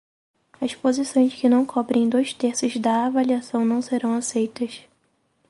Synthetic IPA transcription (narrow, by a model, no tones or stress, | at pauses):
ɐspozisõj̃skɪnɐ̃w̃kʰɔbɾẽj̃d̪ojst̪eɾsʊzd̪ɐːvaliasɐ̃w̃nɐ̃w̃seɾɐ̃w̃asejt̪ɐs